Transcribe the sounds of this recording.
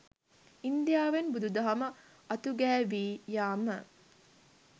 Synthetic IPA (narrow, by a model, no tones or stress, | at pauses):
ind̪ijaːʋenbud̪ud̪ɐɦɐmɐ | ɐt̪uɡæːʋiːjaːmə